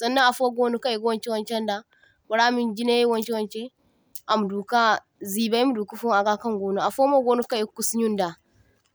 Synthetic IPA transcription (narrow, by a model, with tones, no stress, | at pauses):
sɐ˦nːɐ˦ʔa˨fo˦ɡoː˦nu˦ka˦˨je˦kwɔ˦nt͡ʃe˦wɐ˦nt͡ʃɛ˦nda˨ | ku˨ɽa˦mi˦nd͡ʒi˦ne˦i˦wɐ˦nt͡ʃe˦wɐ˦nt͡ʃe˦ | ʔa˨mu˨duː˨ka˦ | ziː˨ba˦ji˦mu˦du˨ku˦fu˦ŋʔa˨ɡa˦kɐ˦ŋɡoː˦nu˦ʔa˨fo˦mo˦ɡoː˦nu˦ka˦je˦ku˦sɲu˦nda˨